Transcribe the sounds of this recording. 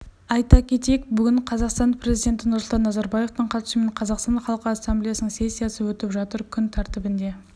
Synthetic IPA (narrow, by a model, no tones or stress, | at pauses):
ɑjt̪ɑkʲʰe̞t̪ek̚bʏɡʲɪɴqʰɑzɑqst̪ɑnpʰɾʲe̞zijd̪ʲe̞nt̪ɪnʊɾsʊlˠt̪ɑnːɑzɑɾbɑje̞ft̪əɴqʰɑt̪ɪ̥ʃɪme̞ɴqʰɑzɑqst̪ɑnχɑlˠəqəɑsːamblijasnəɴse̞sʲːijasəwɵt̪ɪpʒɑt̪əɾkʲʰʏnt̪ʰɑɾt̪ɪbɪnd̪e̞